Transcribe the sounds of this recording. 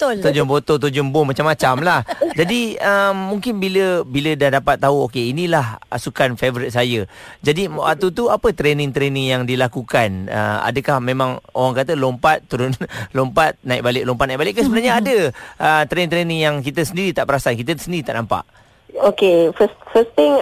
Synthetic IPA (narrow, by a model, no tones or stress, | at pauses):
t̪ʊlt̪od͡ʒʊmbot̪ot̪̬od͡ʒʊmbʊhmat͡ʃamːat͡ʃamlahd͡ʒadiəmːuŋkɪnbiləbilədahdapat̪ːaɦuokeinilahasukanfevɾit̪̚sajəd͡ʒadia̰t̪ut̪uapət̪ɾenɪ̃ŋt̪ɾenɪŋjaŋdilakukanə̰a̰dəkahmẽmãŋo̰waŋkat̪əlompat̪̚ːuɾʊnlompat̪̚nãɪk̚balɪk̚lɔmpat̪̚naik̚balɪʔkːəsəbənarɲaadəət̪ɾeŋt̪ɾenɪ̃ŋjaŋk̬it̪əsəndiɾit̪aʔpəɾasankit̪əsəndiɾit̪aʔnampa̰ʔ | okefəsfəst̪ɪŋ